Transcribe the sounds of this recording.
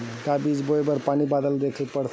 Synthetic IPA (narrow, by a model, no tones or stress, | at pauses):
kabid͡ʒbojbəɾpanibad̪əld̪ekʰəlpəɽt̪ʰ